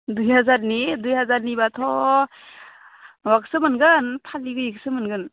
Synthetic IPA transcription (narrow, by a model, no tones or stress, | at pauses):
dujɦazaɾnidujhazaɾnibatʰɔ | wak̚sɯmɯnɡɯnpʰaliɡɯjik̚sɯmɯnɡɯn